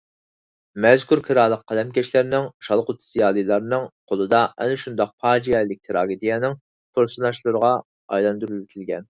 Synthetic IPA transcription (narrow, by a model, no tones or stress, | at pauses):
mɛzkʰuɾkʰɨɾɑlˠːəq̚qʰːɑlɛmkʲɛʃlæɾnɪŋʃɑlˠqʊt̪ʰz̥ijɑːlˠɨjlˠɑɾnɨŋqʰolˠɨd̪ɑɛ̰nɪʃund̪ɑq̚pʰɑːd͡ʒijɛlɪk̚ʲt̪ʰɨɾɑːɡʲid̪ijɛnɪŋ | pʰoɾsɨnɑʃlˠɨɾəʁɑ | ɑ̰jlˠɑnd̪uɾylt̪ʰɪlɡʲɛn